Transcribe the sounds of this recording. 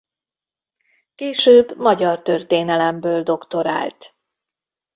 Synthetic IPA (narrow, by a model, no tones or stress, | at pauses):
keːʃøːbmɒɟɒrt̪ørt̪eːnɛlɛmbøːld̪o̞kt̪o̞ɾa̰ːlt̪